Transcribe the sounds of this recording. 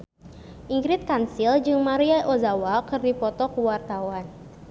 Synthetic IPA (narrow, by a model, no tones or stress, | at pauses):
ʔiŋɡɾɪt̪̚kansild͡ʒɨŋmaɾiaʔozawakɨrdipɔt̪ɔkuwart̪awan